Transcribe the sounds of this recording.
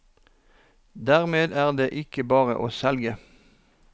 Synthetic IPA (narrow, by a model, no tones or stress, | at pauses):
d̪æːʁmeːd̪æːʁd̪eːʔɪkəbɑːʁə̰ʔoːsɛlɡə